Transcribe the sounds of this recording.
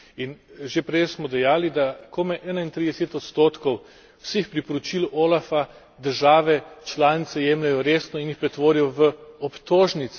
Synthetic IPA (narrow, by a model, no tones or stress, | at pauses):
inʒepɾɛjsmɔd̪ɛjaːlid̪akʰomɛʔɛːnaint̪ɾid̪ɛset̪ɔt̪st̪oːt̪kɔw | wsexpɾipɔɾɔt͡ʃiloːlafa | d̪əɾʒaːʋɛt͡ʃlaːnit̪sɛjɛːmlɛjɔɾeːsnɔinjixpɾɛt̪ʋoːɾijɔʋəɔpt̪oːʒnit̪s